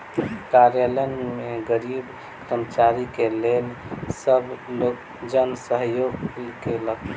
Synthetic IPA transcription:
kaɾjalənmeɡəɾib | kɾəmət͡ʃaɾikelelsəblok | d͡ʒənsəɦjoɡkelək

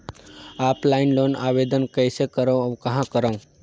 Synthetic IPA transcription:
aːplaɪnloːnaːʋed̪ənkəjsekəɾəwkɐɦãkəɾəw̃

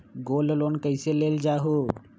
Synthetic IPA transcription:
ɡololonkəɪseleld͡ʒaɦo

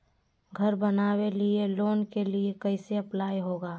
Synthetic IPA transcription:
ɡʱəɾbənaːwelieloːnkeliekəɪseɐplaːiɦoːɡaː

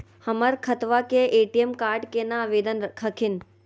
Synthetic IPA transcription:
həməɾkʰət̪ʋakeʔeːʈiemkaːɾɖkenãʋeːd̪ənkʰəkʰɪn

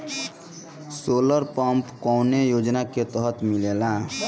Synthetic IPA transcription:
soləɾpəmpkɔwnejod͡ʒnaket̪əɦət̪milela

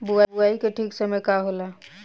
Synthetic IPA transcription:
bʊabʊaːikeʈʰiːksəməjkaɦola

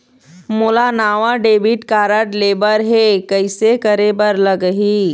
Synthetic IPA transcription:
mʊlanaːʋãɖeːbiʈkaːɾəʈleːbəɾɦekəɪsekəɾebəɾləɡɦiː

